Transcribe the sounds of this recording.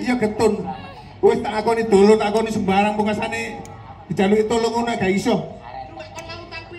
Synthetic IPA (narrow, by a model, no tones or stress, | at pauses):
ijɔɡ̥ə̤t̪ʊn | wɪst̪aʔakɔnid̪̥o̤lonakɔnisəmbaɾaŋpəŋasane | d̪̥i̤̥d͡ʒ̥a̤luit̪oləŋunaɡ̥aisɔh